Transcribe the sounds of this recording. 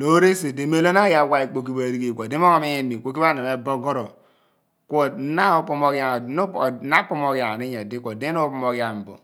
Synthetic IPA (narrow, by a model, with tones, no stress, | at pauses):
lo˦ɾe˦se˨di˨˦me˦lo˦na˦ja˦˨wa˦i˨k͡po˨k̬i˦ba˨ɾi˦ɡi˨kʷo˨di˦m˦o˦ŋo˦mi˦je˦ni˨kʷo˨˦k̬i˦ba˦ne˨me˨bo˦ɡo˦ɾo˨ | kʷo˦na˦o˦po˦mo˦ka˨ŋ˨n˦˨na˦po˦mo˦kja˨ni˦ɲe˨di˦ko˨di˦no˦pu˦mo˦˨ɡja˨m̩˨bo̰˨